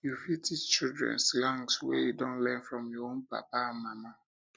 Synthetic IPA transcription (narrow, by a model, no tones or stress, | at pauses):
jufitist͡ʃildɹɛ̰̃nslãŋswɛ̰judɔ̃nlɛ̃nfɹɔ̃mjɔõnpa̰paãnmama